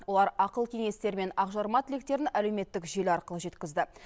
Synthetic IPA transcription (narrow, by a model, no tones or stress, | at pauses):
wo̞lˠɑɾɑqəlˠkʲʰe̞ŋe̞st̪e̞ɾme̞nɑqʒɑɾmɑt̪ɪlek̚t̪e̞ɾɪnæle̞wme̞t̪ːɪkʒe̞lɑɾqəlˠəʒe̞t̪kʲɪzd̪ɪ